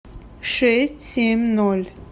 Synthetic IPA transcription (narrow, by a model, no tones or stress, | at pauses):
ʂɛsʲtʲsʲemʲnɔlʲ